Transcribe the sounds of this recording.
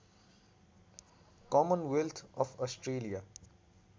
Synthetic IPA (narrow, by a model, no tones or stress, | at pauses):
kɔːmə̃nwɛlt̪ʰɔːfɔsʈɾeːlija